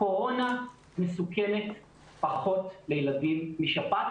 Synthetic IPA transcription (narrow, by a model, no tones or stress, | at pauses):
ko̞ʁo̞na | mesukeme̞t | paχo̞tlejeladimːiʃapat